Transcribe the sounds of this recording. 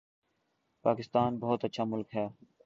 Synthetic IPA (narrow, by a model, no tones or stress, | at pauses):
paːkɪst̪aːnbɔɦʊt̪ətːʃʰaːmʊlkɦɛː